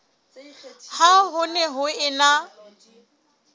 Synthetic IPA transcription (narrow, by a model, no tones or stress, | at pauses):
haɦʊnɛɦʊɪna